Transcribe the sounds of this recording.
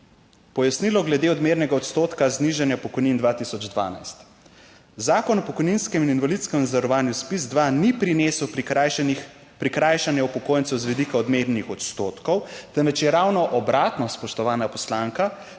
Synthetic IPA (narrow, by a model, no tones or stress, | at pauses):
pɔjasnilɔɡlɛd̪eːɔd̪meːɾnɛɡaɔt̪st̪oːt̪kazniʒanjapɔkɔjnind̪ʋaːt̪isɔd͡ʒd̪ʋa̰ːna̰jst̪ | zaːkɔnɔpɔkɔjninskɛmininʋalit̪skɛmnzɛɾɔʋaːnjuspizd̪ʋanipɾineːsw | pɾikɾajʃanjɛupɔkoːjɛntsɛwzʋid̪ikaɔd̪meɾnixɔt̪st̪oːt̪kɔwt̪ɛmʋɛt͡ʃjɛɾaːwnɔʔɔbɾaːt̪nɔspɔʃt̪ɔʋaːnapɔslaŋka